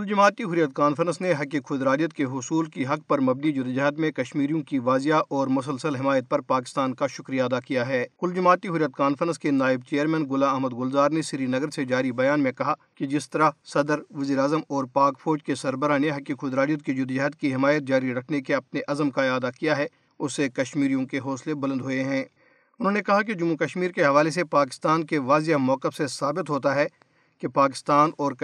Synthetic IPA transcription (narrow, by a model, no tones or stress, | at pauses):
kʊld͡ʒʊmaːt̪iɦʊɾijət̪̚kaːnfəɾə̃nsneɦɐkikʰʊd̪ɾaːlijət̪keɦʊsuːlkiɦɐk̚pɐɾmɐbnid͡ʒʊd̪d͡ʒɐɦd̪mẽkɐʃmiːɾijõkiʋaːzjaʔʔɔːɾmʊs̬əlsəlɦɪmaːjət̪̚pɐɾpaːkɪ̥st̪aːnkaʃʊkɾijaɐd̪akijaɦɛːkʊld͡ʒʊmaːt̪iɦʊɾijət̪̚kaːnfəɾə̃nskenaːɪb̚t͡ʃeːəɾmɛ̃ːnɡʊlaɐɦməd̪ɡʊlzaːɾnesɪɾinɐɡəɾsed͡ʒaːɾibɐjaːnmẽkɐɦa | ked͡ʒɪst̪ɐɾasɐd̪əɾʋɐziːɾeaːzəmɔːɾpaːkfʰoːɾd͡ʒkesɐɾbəɾaneɦɐkixʊd̪ɾaːɾijət̪̚ked͡ʒʊd̪d͡ʒɐɦət̪̚kiɦɪmaːjət̪̚d͡ʒaːɾiɾɐkʰnekeɐpneʔɐzəmkajaːd̪akijaɦɛ | ʊsːekɐʃmiːɾijõkeɦɔːslebɐlə̃d̪ɦoːeɦɛ̃ː | ʊnɦõːnekɐɦaked͡ʒʊmːukɐʃmiːɾkeɦɐʋaːles̬epaːk̬ɪ̥st̪aːnkeʋaːzjamɔːkɪfsesaːbɪt̪ɦoːt̪aɦɛ | kepaːkɪ̥st̪aːnɔːɾk